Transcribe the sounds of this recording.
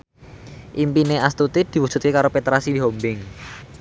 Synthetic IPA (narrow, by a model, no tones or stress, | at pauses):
ʔimpineʔast̪ut̪id̪̥i̤wud̥ʒ̥ṳ̥t̪̚kekaɾopet̪ɾasiɦombɪŋ